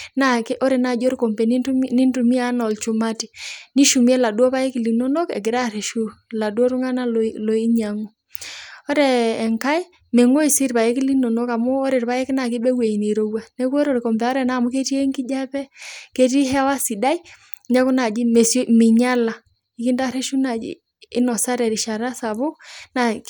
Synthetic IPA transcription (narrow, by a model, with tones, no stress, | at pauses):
na˨kʔɔ˦ɾɛ˨na˨d͡ʒo˦ɾkɔ˨mpɛ˨ni˦nɪ˦ntu˨mi˦a˨˦nɔ˨lt͡ʃu˨ma˦ti˨ni˦ʃu˨mi˦ɛ˦la˨dwɔ˦pa˦jɛ˦ki˨li˨no˦no˦kɛ̰˨ɡɪ˨ɾa˦ɾe˨ʃu˦la˨dwɔ˦ɾu˦ŋa˦na˦lɔ˨i˦ɲa˨ŋu˦ | ɔ˦ɾɛː˨ŋka˦i˦ | me˨ŋo˦i˨si˦ɾpa˨je˦kɪ˦li˦nɔ˨nɔ˦ka˨mɔː˦ɾe˨ɾpa˦ɛ˦kɪ˦na˨kɪ˦bɛ˦we˨i˨ne˨ɾo˦wa˨nɛ˦k̬ɔ˦ɾo˨ɾkɔ˨mbɔ˦ɾɛ˨na˨mu˦ke˦ti˦e˦ŋkɪ˦d͡ʒa˦pɛ˦ke˦ti˦ɦɛ˦wa˦sɪ˨da˦i˦ | ɲa˦ku˦na˨d͡ʒi˦me˨smɪ˨ɲa˦la˨ | i˨ki˦nda˦˨ɾe˦ʃu˦na˨d͡ʒḭ˦ | ɪ˦nɔ˨sa˦ɾɛ˨ɾi˨ʃa˨ɾa˦sa˨βo˦na˨